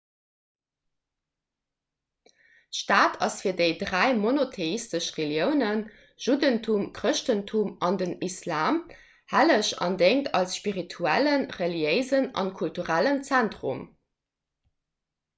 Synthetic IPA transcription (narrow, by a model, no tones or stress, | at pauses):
ʃtaːtʰɑsfiːɐdeɪdʁæɪmonotʰeistəʃʁeljəʊnən | ʒ̥udəntʰumkʁəʃtəntʰumɑndənislaːm | hæləʃɑ̰ndeŋtʰɑlsʃpiʁitʰuælənʁeliəɪzənɑ̰nkʰultuʁælənt͡sæntʁṵm